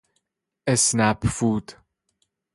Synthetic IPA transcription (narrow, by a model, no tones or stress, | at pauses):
esnæpfuːd̪̥